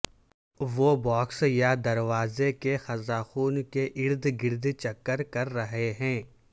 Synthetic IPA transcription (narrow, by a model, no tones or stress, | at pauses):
ʋoːbɔːksjad̪ɐɾʋaːzekexɐzaːxuːnkeʔɪɾd̪ɡɪɾd̪t͡ʃɐkːəɾkɐɾːɐɦeɦɛ̃ː